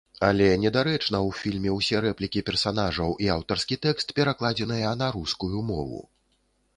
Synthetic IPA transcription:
alʲɛnʲɛd̪aɾɛt͡ʂnɐwfʲilʲmʲɛwsʲɛɾɛplʲikʲipʲɛrsanaʐɐwʔiawt̪ɐrskʲit̪ɛkst̪pʲɛɾaklˠad͡zʲɛn̪ɨjɐnaɾuskujumɔ̰vṵ

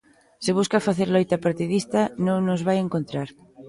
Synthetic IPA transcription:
seβ̞uskafaθeɾlojt̪apaɾt̪iðist̪anõŋnozβajeŋkont̪ɾaɾ

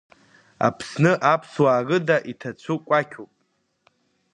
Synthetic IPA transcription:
a̰pʰsnɨʔapʰswaːɡɨdaʔitʰat͡ɕʷʰukʷʼakʲʰopʼ

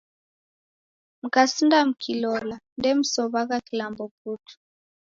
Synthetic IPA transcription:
m̩kasindam̩kʰilɔlandɛm̩sɔβaɣakilambɔp̚utʰu̥

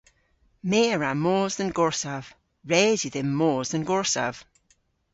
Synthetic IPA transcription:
meːəɹamoːzðənɡɔɹsav̥ | ɹɛziðɪmːoːzðənɡɔɹsa̰v̥

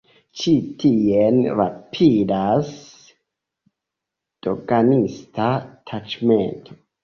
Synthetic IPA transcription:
t͡ʃitʰienvapʰiɾas | d̥o̰ɡanistʰatʰat͡ʃmḛntʰo̥

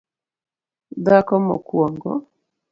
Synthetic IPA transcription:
d̪akɔmɔ̰kwɔŋɡɔ

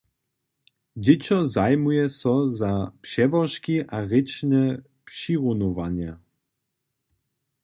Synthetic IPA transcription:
d͡ʑɪt͡ɕɔzajmujɛsɔzapʂɛvɔʃkiʔaɣɪt͡ʃnɛ | pʂiʁunɔvaɲɛ

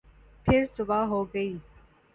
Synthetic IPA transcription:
pʰɪɾsʊbaːɦoːɡɐiː

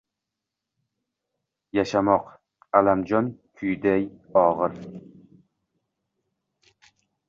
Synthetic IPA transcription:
jaʃamɒq | alamd͡ʒɒnkʰʊjd̪ajɒʁɨɾ

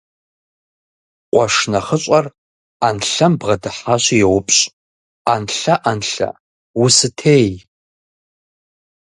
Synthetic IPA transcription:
qʷʼɔʂnɐχəɕʷʼɐr | anɬɐmbʁɐdɨħaɕijɛwʊpʼɕʼ | anɬɐʔanɬɐ̰ | wusɨtʰej

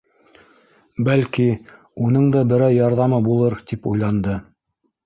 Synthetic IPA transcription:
bælki | unɤɴd̪ɑbɘ̆ɾæwjɑɾðɑmɤbulˠɤɾt̪ipujlˠɑnd̪ɤ

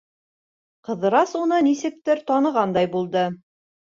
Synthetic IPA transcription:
qɤ̆ðɤ̆ɾɑsunɤnisɘ̆k̚t̪ɘɾt̪ɒnɤ̆ʁɑnd̪ɑjbulˠd̪ɤ

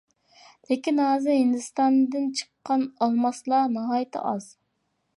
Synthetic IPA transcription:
lɪkʲinɦɑːzɨɦɪnd̪ɨst̪ɑnd̪ɨnt͡ʃʰə̥qːɑnɑlˠmɑslˠɑnɑɦɑːjɪt̪ʰɪ̰ʔɑz̥

